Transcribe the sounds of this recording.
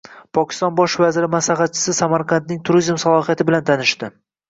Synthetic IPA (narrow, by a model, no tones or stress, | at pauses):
pʰɒkʲʰɪ̥st̪ɒnbɒʃvazɪɾɪmaslaχɑt̪̚t͡ʃʰːɪ̥sɪsamaɾqʰant̪nɪŋt̪ʰʊɾizmsalˠɒhijat̪ʰɪbɪlant̪ʰanɪʃt̪ɪ